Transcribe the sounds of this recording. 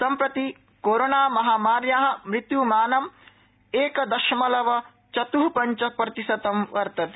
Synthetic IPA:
sɐmpɾɐt̪i | koːɾoːnaːmɐɦaːmaːɾjaːɦɐ̆mɾɪt̪jumaːnɐm | eːkɐd̪ɐʃmɐlɐʋɐ | t͡ʃɐt̪uɦupɐɲt͡ʃɐpɾɐt̪isɐt̪ɐmʋɐɾt̪ɐt̪

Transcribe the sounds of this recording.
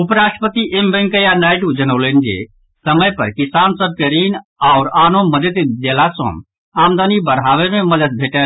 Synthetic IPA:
upɾaʈəpət̪iʔembə̃ŋkəjanaɪʈud͡ʒənəʊlend͡ʒḛ | səməjpə̰ɾkisansəb̚keɾinaʊɾaːnoməd̪ət̪d̪elasə̰̃m | aːmd̪anibəɾɦaʋemẽməd̪əd̪̚bʱeʈɛ

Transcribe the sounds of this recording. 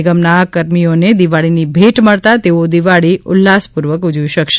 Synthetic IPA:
ɪɡəmnakəɾmijoned̪iʋaɭinibʱeʈməɭt̪at̪eod̪iʋaɭiʊ̰lːaspuɾʋəkud͡ʒʋiʃəkʃe

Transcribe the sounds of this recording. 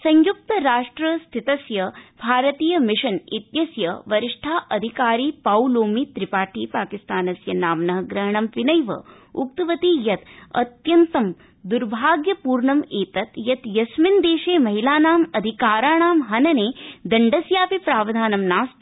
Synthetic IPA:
sɐ̃ɲjuk̚t̪ɐɾaːʂʈɾɐst̪ʰit̪ɐsjɐbʱaːɾɐt̪iːjɐmiʂɐnit̪jɐsjɐʋɐɾiʂʈʰaːʔɐd̪ʱikaːɾiːpawloːmit̪ɾipaːʈʰiːpaːkist̪aːnɐsjɐnaːmnɐɦɐɡɾɐɦɐɳɐmʋinɐjʋɐ̰ | uk̚t̪uʋɐt̪iːjɐt̪ɐ̰t̪jɐnt̪ɐm | d̪uɾbʱaːɡjɐpuːɾɳɐmeːt̪ɐt̪jɐt̪jɐsmind̪eːʃeːmɐɦilaːnaːmɐd̪ʱikaːɾaːɳaːmɦɐnɐneːd̪ɐɳɖɐsjaːpipɾaːʋɐd̪ʱaːnɐmnaːst̪

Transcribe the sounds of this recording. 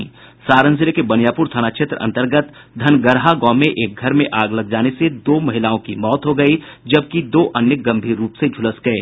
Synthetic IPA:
saːɾə̃nsɪlekebɐnɪjaːpʊːɾt̪ʰaːnaːkʃʰet̪ɾəɐ̰̃nt̪əɾɡət̪ | d̪ʱɐnɡəɾɦaɡɔːmẽʔeːk̚ɡʱɐɾmẽʔaːɡlɐɡ̚d͡ʒaːnesed̪oːmɐɦɪlaːõkimɔːt̪ɦoɡɐid͡ʒɐb̚kid̪oːʔɐnjək̚ɡɐ̃mbʱiːɾːuːpsed͡ʒʱʊləsɡɐeː

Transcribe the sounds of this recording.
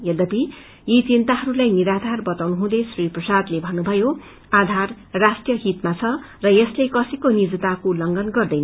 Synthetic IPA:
jʌd̪ʌp̪i | jit͡sint̪aɦʌɾulajniɾad̪ʱarbʌt̪awnuɦũd̪esriprʌsad̪lebʱʌnːubʱʌjo | ad̪ʱar | rasʈjʌɦit̪mat͡sʰʌ | rʌjʌslekʌsʌjkonid͡zʌt̪akolʌŋɡʌnɡʌrd̪ʌjnʌ

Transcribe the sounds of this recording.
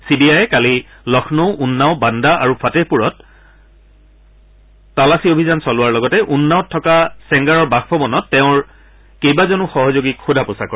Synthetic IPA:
sibiajɛkali | lɔxʰnoʊʔunːaʊbandaʔaɹupʰatepuɹɔt̚ | alasiobʱizansɔlʊwaɹlɔɡɔtɛʔunːaʊtʰːɔkasɛŋɡaɹɔɹbaxpʰɔbɔnɔtːeʊ̃ɹ | kejbazɔnuxɔɦɔzoɡikxudʱapʊsakɔɹ

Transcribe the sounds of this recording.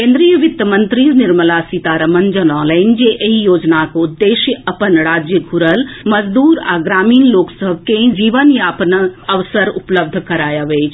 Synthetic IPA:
kẽːnd̪ɾijəʋɪt̪əmənt̪ɾiznɪɾməlasit̪aːɾɐmənd͡ʒənɔːnlaɪnd͡ʒeʔɐɦijoːd͡ʒnakoud̪ːeːʃjəɐpənɾaːd͡ʒjəɡʱuɾəlmɐd͡ʒd̪uːɾa̰ːɡɾaːmiːnloːksəɦbʱkẽd͡ʒiːʋənjaːpnɐʋsəɾʊpləb̚d̪ʱkɐɾaːjaʋeːt͡ʃʰ

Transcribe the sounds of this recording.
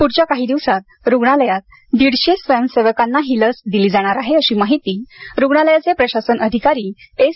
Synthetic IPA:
puɽt͡ɕjakaɦiːd̪iʋsat̪̚ | ɾuɡɳ̃aləjat̪̚ | d̪iɽɕesʋəjəmseʋəkanːaɦiləsd̪iliːd͡zaɽ̃aɾaɦeəɕiːmaɦit̪iːɾuɡɳaləjat͡sepɾəɕasənəd̪ʱikaɾiː | e

